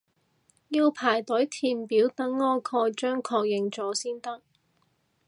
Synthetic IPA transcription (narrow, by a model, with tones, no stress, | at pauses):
jiː˧wpʰaː˨˩jt̪ɵ˨˥jt̪ʰiː˧˩npiː˨˥wt̪ɐ˨˥ŋːɔː˥kʰɔː˧jt͡ʃœː˥ŋkʰɔː˧k̚jɪ˨ŋt͡sɔː˨˥siː˥nt̪ɐ˥k̚